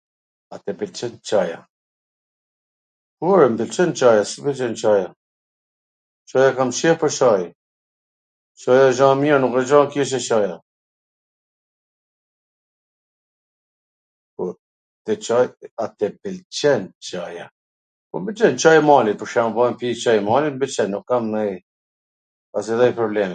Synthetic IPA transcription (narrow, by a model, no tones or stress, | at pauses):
at̪ɛbilt͡ʃɛnt͡ʃaja | kuɔɾɛmbilt͡ʃɛnt͡ʃajasibilt͡ʃɛnt͡ʃaja | t͡ʃajakamʃɛpəɾʃaj | ʃajaʒãːmianukɛd͡ʒakɛʃ̬ɛʃaja | pɔ | t̪ɛt͡ʃajat̪ɛbilt͡ʃɛnt͡ʃaja | pɔmbilt͡ʃɛnt͡ʃajamalipɔʃamvɔmpit͡ʃajmalimbilt͡ʃɛnːukːamɛ | as̬iðɛjpɾɔblɛmɛ